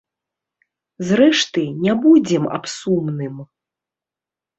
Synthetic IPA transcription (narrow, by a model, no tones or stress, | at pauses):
zɾɛʂt̪ɨnʲabud͡zʲɛma̰psumnɨm